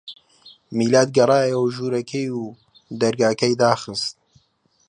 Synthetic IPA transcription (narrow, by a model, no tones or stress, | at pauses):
miːlaːt̪̚ɡɐrˤɑːjɐwʒuːɾɐkʰeju | d̪ɐɾɡaːkɐjd̪aːxɨst̪̚